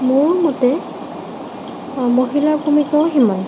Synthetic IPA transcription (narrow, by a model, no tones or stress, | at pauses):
muɹmɔtɛ | moɦilaɹkʰumikɔɦiman